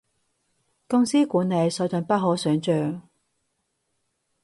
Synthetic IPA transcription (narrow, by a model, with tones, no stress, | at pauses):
kʊ˥ŋsiː˥kuː˨˥nɐ˨˧jsɔː˨˥wt͡sɔ˨˧npɐ˥t̚ɦɔː˨˥sœː˨˥ŋt͡ʃœː˨˩ŋ